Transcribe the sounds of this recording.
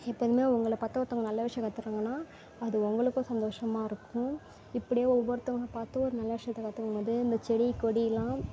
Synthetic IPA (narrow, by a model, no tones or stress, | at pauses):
ɛpːɐːðɯmeːʊŋɡɐɭɐpɐɾt̪ːɐʋɐɾt̪ːɐŋɡɐnɐlːɐʋɪʂɐjɐ̃kɐt̪ːɯkːaŋɡɐnːaː | ɐðɯʊŋɡɐɭɯkːʊ̃ːsɐnd̪oːʂɐmaːɪɾɯkːʊ̃ | ɪpːɐɽɪjeːɾʊʋːɐɾɐt̪ːɐŋɐɐpaːɾt̪ːõɔɾɯnɐlːɐʋɪʂɐjɐt̪ːɐkːɐt̪ːɯkːɐŋɡɐʋɐnd̪ɯɪnd̪ɐt͡ʃɛɽikːɔɽilãː